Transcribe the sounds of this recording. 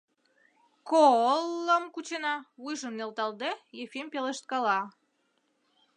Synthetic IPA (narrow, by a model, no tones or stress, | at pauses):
kolˠːəmkut͡ɕenɑβujʒəmnelt̪ɑld̪ejefimpeleʃt̪̚kɑlɑ